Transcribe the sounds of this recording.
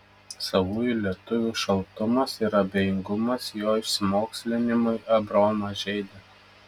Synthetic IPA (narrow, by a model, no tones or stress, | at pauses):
sɐʋuːjʊlʲiɛt̪ʊʋʲuːʃɐlˠt̪ʊmɐsɪɾɐbʲejɪŋɡʊmɐsjoːɪʃʲsʲɪmoːksʲlʲɪnʲɪmʊɪʔɐbɾoːmɐʒʲɛɪd̪ʲɛ